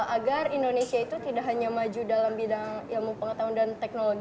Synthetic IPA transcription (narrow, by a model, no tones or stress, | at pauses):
ʔaɡarindonesiait̪ut̪idaʔɦaɲamad͡ʒudalambidaŋjaŋməŋpəŋət̪aʊndant̪ɛk̚noloɡ